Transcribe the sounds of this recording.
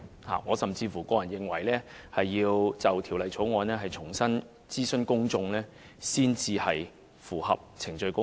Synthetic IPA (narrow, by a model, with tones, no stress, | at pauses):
ha̰ː˨ŋɔː˨˧sɐ˨mt͡siː˧fu˨˩kɔː˧jɐ˨˩njɪ˨ŋwɐ˨˩jlɛː˥hɐ˨jːiː˧wt͡sɐ˨wt̪ʰiː˨˩wlɐ˨jt͡sʰo˨˥wŋɔː˨˧nɛː˥ɦɐ˨jt͡sʰʊ˨˩ŋsɐ˥n | t͡siː˥sɵ˥nkʊ˥ŋt͡sʊ˧ŋlɛː˥ | siː˥nt͡siː˧hɐ˨j | fuː˨˩hɐ̰˨p̚t͡sʰɪ˨˩ŋt͡ʃɵ˧ɥkʊ˥